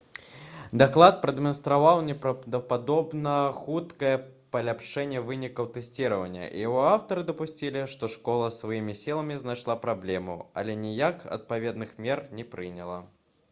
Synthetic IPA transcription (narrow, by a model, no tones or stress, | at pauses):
d̪aklˠat̪̚pɾɐd̪ɛmɐnst̪ɾavawnʲɛpd̪ɐpad̪ɔbnɐxut̪kɐjɛ | pɐlʲapʂɛnʲːɛvɨnʲikɐwt̪ɛsʲt͡sʲiɾɐvɐnʲːɐ̰ʔḭjɦɔawt̪ɐɾɨd̪ɐpusʲt͡sʲilʲiʂt̪ɔʂkɔlˠɐsvajimʲisʲilˠɐmʲiznajʂlˠapɾablʲɛmṵɐ̰lʲɛnʲijakɐ̰t̪̚pavʲɛd̪nɨxmʲɛrnʲɛpɾɨnʲɐlˠɐ